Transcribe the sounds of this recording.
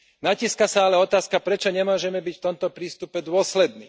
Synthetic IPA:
naciskasaalɛɔt̪aːskapɾɛt͡ʃɔɲɛmʊɔʒɛmɛbicft̪ɔmt̪ɔpɾiːst̪upɛd̪ʊɔslɛd̪niː

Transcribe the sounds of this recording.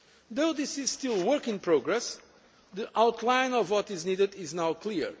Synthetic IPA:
ðoʊðɪsɪz̥stilˠwəɾkɪ̃ŋpɾoɡɾɛs | ðiʔawtʰlãɪ̃nɔvwɔtɪznidɨdɪznawkli

